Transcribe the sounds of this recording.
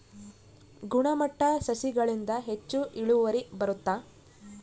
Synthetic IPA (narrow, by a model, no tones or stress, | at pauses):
ɡuɳɐmɐʈːɐsɐsiɡɐɭind̪ɐɦe̞t͡ʃːuʔiɭuʋɐɾibɐɾut̪ːa